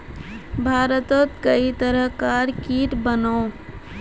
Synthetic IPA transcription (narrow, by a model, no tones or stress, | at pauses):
bʱaːɾət̪ot̪kəit̪əɾəɦkaːɾkiːʈbənoː